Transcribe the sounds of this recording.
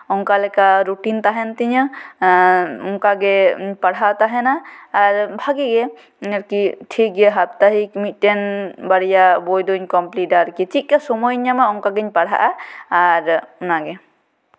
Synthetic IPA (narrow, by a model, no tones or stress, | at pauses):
ɔŋkalɛkaɾuʈint̪aɦɛnt̪iɲə | ɔŋkaɡɛpaɽɦaʔt̪aɦɛnaːɾbʱaɡɛɡɛ | ɾkiʈʰik̚ɡɛɦap̚t̪aɦikmit̪̚ˀtɛnbaɽijabɔjd̪ɔɲkɔmplidaɾkit͡ʃit̪̚ˀkasɔmɔjɲːamaɔŋkaɡɛɲpaɽɦa̰ʔaː | ɾɔnaɡɛ